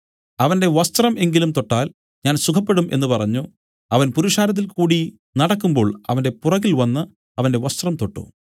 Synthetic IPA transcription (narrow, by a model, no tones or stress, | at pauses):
ɐʋɐnde̞ʋɐst̪rɐme̞ŋɡilumt̪o̞ʈːaːl | ɲaːnsukʰɐpːe̞ɽumʔe̞̰nːɨpɐrɐɲːu | ɐʋɐnpuɾuʂaːɾɐt̪̬ːilkuːɽi | nɐɽɐkːumbo̞ːɭɐʋɐnde̞purɐɣilʋɐnːɨ | ɐʋɐnde̞ʋɐst̪rɐmt̪o̞ʈːṵ